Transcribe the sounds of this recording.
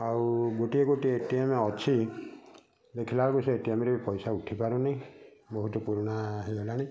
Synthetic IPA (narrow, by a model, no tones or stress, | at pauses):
aɾuɡoʈieɡoʈietiameɔt͡ʃʰi | d̪ekʰilalkuseetiameɾepɔjsauʈʰipaɾunabɔɦut̪ɔpuɾɔɽ̃aɦeɦolaɽ̃i